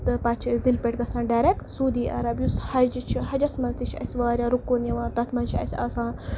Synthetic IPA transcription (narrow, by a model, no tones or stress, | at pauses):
t̪ɨpɐt͡ʃʰd̪ilpʲeʈɡɐsãːnɖaɾeksuːd̪iːʔɐ̰ɾɐbjushɐd͡ʒit͡ʃʰiɦɐd͡ʒɐsmɐnzd̪it͡ʃʰɐ̰sʲʋaːɾʲaːɾukːonjɐʋãːt̪ɐt̪ʰmɐnt͡ʃʰiɐ̰sʲɐ̰sãː